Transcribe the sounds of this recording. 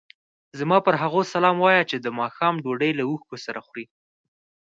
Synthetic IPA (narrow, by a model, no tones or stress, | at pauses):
zmɑpəɾɦaɣosalɑmwɑjat͡ʃed̪əmɑxɑmɖoɖəjlauxkosaɾaxɾi